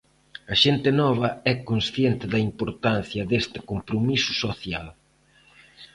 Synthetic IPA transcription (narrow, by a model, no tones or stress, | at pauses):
ɐʃent̪ɪnɔβɐɛkonsθjent̪ɪðɐimpoɾt̪an̟θjɐðest̪ɪkompɾomisʊ̥soθja̰l